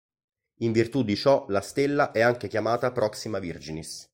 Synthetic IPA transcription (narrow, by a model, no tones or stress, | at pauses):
iɱvirt̪ud̪ːit͡ʃɔlast̪elːaʔɛaŋkekjamaːt̪apɾɔksimavird͡ʒinis